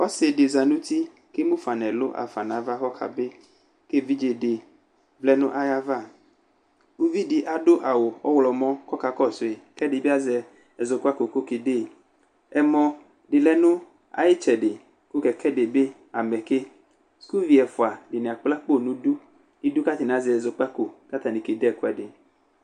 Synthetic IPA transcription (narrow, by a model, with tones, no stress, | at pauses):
ɔ˦se˨de˨za˨nũ˦t̪i˦ | ke˦mũ˦fa˨nɛ̃˨lo˦ʔa̰˨fa˨nã˨˦va˦xɔ˦xa̰˨be˦ | ke˦vi˦d͡ʒe˨de˨ | vlɛ˦nũ˦ʔa˦ja˦va˦˨ | u˦vi˦dɪ˨ʔa˨dʊ˦ʔa˨wo˨ɔ˦wlɔ˨mɔ̃˦kɔ˦ka˨kɔ˦˨so˨e˨kɛ˦dɪ˨be˦a˦zɛ˨ | ɛ˨zo˨ko˦a˦ko˨ko˦ke˨de˦˨ | ɛ˨mɔ̃˨ | ɖɪ˨lɛ˦nũ˦ | a̰˨jɪ˦t͡ʃɛ˨ɖɪ˨ | ku˦kɛ˨kʰɛ˦de˨be˦ | a˨mɛ˨ke˦ | sku˦vi˦ɛ˨fʊ˨a˨ɖɪ˨nẽ˨a˨k͡pla˦k͡po˦˨nũ˦du˦ | ni˦du˦ka˦t̪i˨ñ˨a˨˦zɛ˨zo˨k͡pa˦ko˨ka˦t̪a˨nĩ˨ke˨dɛ˨ko˦ɛ˨dɪ˨